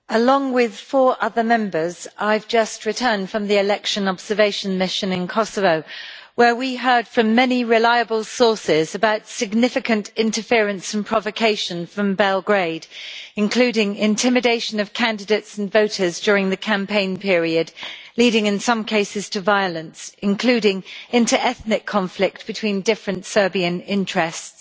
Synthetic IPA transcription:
əlɔ̃ŋwɪð̥fɔːɹʔʌðəmɛ̃mbəzaɪvd͡ʒʌst̚ɹɨtʰɜ̃ːnd̥fɹə̃mðiɪlɛkʃə̃nɒbz̥əveɪʃə̃nmɪʃə̃nɪ̃nkʰɒsəvəʊwəwiɦɜ˞d̥fɹə̃mːɛniɹɪlaɪəbəlˠsɔˑsɪzəbaʊtsɪɡ̚nɪfɨkə̃ntɪ̃ntəfɪəɹə̃nsə̃n̩pʰɹ̥ɒvəkʰeɪʃə̃nfɹə̃mbɛlˠɡɹeɪdɨ̃nkʰl̥ʉːɾɪ̃ŋɪ̃ntʰɪmɨdeɪʃə̃nəv̥kʰæ̃ndɨdeɪtsn̩vəʊtəzd͡ʒɔːɹɪ̃ŋðɨkʰæ̃mpʰẽɪ̃npʰɪɹiɨdliɾɪ̃ŋɪ̃nsʌ̃mkʰeɪsɪz̥tʰəvaɪələ̃nsɪ̃nkʰl̥ʉːɾɪ̃ŋɪ̃ntə˞ʔɛθnɪkʰːɒ̃ɱflɪk̚t̚b̥ɨtʰw̥ĩndɪfɹə̃ntsɜ˞biɨ̃nɪ̃nt͡ʃɹ̥ɛsts

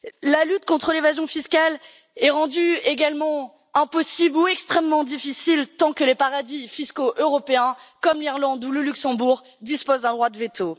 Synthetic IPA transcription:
lalyt̪̚kɔ̃t̪χəlevazjɔ̃fiskal | ɛʁɑ̃d̪yeɡalmɑ̃ | ɛ̃pɔsibluɛkst̪χɛmːɑ̃d̪ifisilt̪ɑ̃kəlepaʁad̪ifiskoʔøʁɔpeɛ̃kɔmliʁlɑ̃d̪uləlyksɑ̃buʁ | d̪ispozd̪ɛ̃d̪ʁwad̪əvet̪ʰo

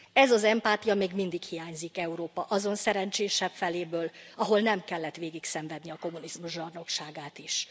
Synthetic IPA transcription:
ɛzɒzɛmpaːt̪ijɒmeːɡmind̪ikhijaːɲzikɛuɾoːpɒʔɒzo̞nsɛɾɛɲt͡ʃeːʃɛpfɛleːbøːlɒɦo̞lnɛmkɛlːɛt̪ʋeːɡiksɛɱvɛd̪niɒko̞munizmuʒbɒrno̞kʃaːɡaːt̪iʃ

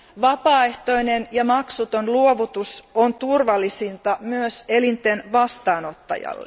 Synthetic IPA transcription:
ʋɑpɑːe̞ht̪oinenjɑmɑksut̪onluoʋut̪usont̪urʋɑlːisint̪ɑmyøse̞lint̪enʋɑst̪ɑːno̞t̪ːɑ̰jɑ̰lːḛ

